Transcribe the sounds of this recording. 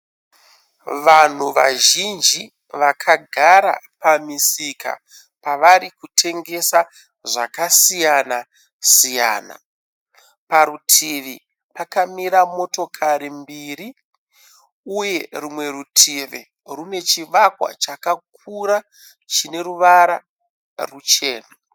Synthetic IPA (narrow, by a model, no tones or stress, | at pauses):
ʋan̤uʋa̰ʒind͡ʒi | ʋakʰaɡʱaɾa̰pamisika̰ | paʋaɾikutʰe̞ŋɡe̞sa | ʐa̰kasijana | sija̰ːna̰ | paɾutʰiʋi | pakamiɾamo̞to̞kʰaɾimbiːri | uje̞rumwe̞ɾutʰiʋi | rune̞t͡ʃiʋakwa̰t͡ʃakak̚ʰuɾa | t͡ʃine̞ɾuʋaɾa | rut͡ʃe̞ːna